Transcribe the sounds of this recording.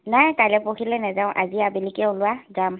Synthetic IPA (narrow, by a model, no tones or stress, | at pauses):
najkalɛpokʰilɛnɛzaʊ̃ʔa̰ziabilikɛʊ̃lʊwaɡam